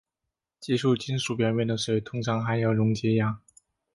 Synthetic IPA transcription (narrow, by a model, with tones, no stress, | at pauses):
t͡ɕi˥˧ʂu˥˩t͡ɕi˥nʂu˨˩pjɛ˧˥nmjɛ˧˨˩nd̪ə˩ʂwe˨˩ɪt̪ʰʊ˥ŋʈ͡ʂʰɑ˧˥ŋxa˧˥ɪjo˨˩ʊɻʊ˧˥ŋt͡ɕɛ˥ja˧˥˦